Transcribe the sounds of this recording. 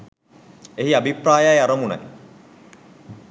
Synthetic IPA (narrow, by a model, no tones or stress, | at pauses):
eɦiabipraːjajaɾɐmunɐ̰j